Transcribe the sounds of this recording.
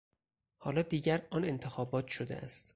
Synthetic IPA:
hɒːlɒːd̪iːɟæɾɒːne̞nt̪ʰe̞xɒːbɒːt̪ʃod̪ḛʔæ̰st̪

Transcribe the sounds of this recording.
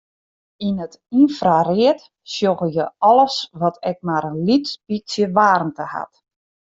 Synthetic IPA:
inət | infrarɪət | sjoɣəjəɔlˠəsʋɔtʰɛk̚maɾənlitspisjəʋaːrn̩təha̰t

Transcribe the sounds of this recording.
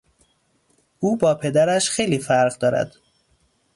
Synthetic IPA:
ʔuːbɒːpʰe̞d̪æɾæʃxe̞jliːfæɾʁd̪ɒːɾæ̰d̪̥

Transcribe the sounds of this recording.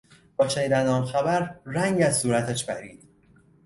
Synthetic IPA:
bɒːt͡ʃʰæniːd̪ænɒːnxæbæɾræŋɟæzsuːɾæt̪ʰæʃbæɾiːd̪̥̚

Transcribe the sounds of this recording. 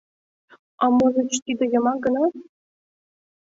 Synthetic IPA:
ɑmɤzɘ̆t͡ɕt̪ʲid̪ɘ̆jɤ̆mɑɡɤ̆nɑ

